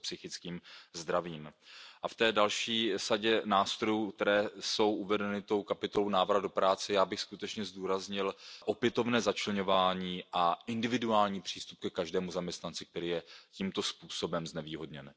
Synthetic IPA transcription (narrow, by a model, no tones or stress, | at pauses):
psɪxɪt͡skiːmzd̪ɾaviːmʔaft̪ɛːdalʃiːsaɟɛnaːst̪ɾojukt̪ɛɾɛːso̞wʔuvɛdɛnɪt̪o̞wkapɪt̪olo̞wnaːvɾadopɾaːt͡sɛjaːbɪxskut̪ɛt͡ʃɲɛzduːɾazɲɪlʔo̞pjɛt̪o̞vnɛːzat͡ʃlɛɲo̞vaːɲiːʔaʔɪndɪvɪduaːlɲiːpr̝̥iːst̪up̚kɛkaʒdɛːmuzamɲɛst̪nant͡sɪk̚t̪ɛɾiːjɛciːmt̪o̞spuːsobɛmznɛviːɦo̞dɲɛn